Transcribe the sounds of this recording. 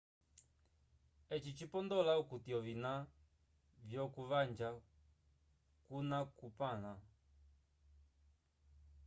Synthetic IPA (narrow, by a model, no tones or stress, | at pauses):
ɛt͡ʃit͡ʃipɔndɔlaukutiɔvina | vjɔkuvand͡ʒa | kunakupana